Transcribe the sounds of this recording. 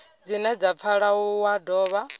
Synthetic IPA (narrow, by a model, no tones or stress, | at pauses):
d͡zinɛd͡zap̪fʰaɺauwadɔːβa